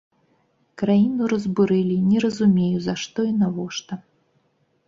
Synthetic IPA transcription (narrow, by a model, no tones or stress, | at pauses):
kɾajinuɾɐzbuɾɨlʲinʲɛɾɐzumʲejuzaʂt̪ɔinavɔʂt̪ɐ